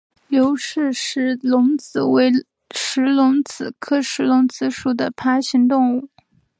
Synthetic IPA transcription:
ljo˧˥ʊʂɻ̩˥˧ʂɻ̩˧˥lʊ˧˥ŋt͡sɹ̩˨˩we˧˥˩ɪ | ʂɻ̩˧˥lʊ˧˥ŋt͡sɹ̩˨˩kʰɤ˥˩ʂɻ̩˧˥lʊ˧˥ŋt͡sʰɹ̩˧˥ʂu˨˥˩d̪ə˦pʰa˥ɕi˧˥ŋt̪ʊ˥˧ŋu˥˩

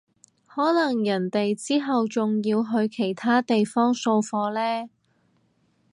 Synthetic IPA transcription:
hɔː˨˥lɐ˨˩ŋjɐ˨˩nt̪e˨jt͡siː˥ɦɐ˨wt͡sʊ˨ŋjiː˧wɦɵ˧ɥkʰe˨˩jt̪ʰaː˥t̪e˨jfɔː˥ŋso˧wfɔː˧lɛː˥

